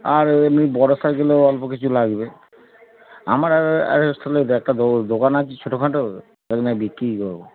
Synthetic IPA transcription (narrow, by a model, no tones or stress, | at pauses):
aɾemnibɔɾosaɡeloɔlpokit͡ɕʰulaɡbe | a̰maɾaa̰ɾst̪ʰɔled̪ɛk̚ʈad̪od̪okanakit͡ʃʰoʈokʰãʈo | anabikɾikɔɾbo